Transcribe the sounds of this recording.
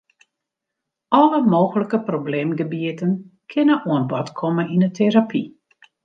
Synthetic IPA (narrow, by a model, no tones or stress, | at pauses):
ʔɔləmoːɣələkəprobleːmɡəbiətənkʰɪnəuənbɔtkʰɔməninətʰeɾapʰi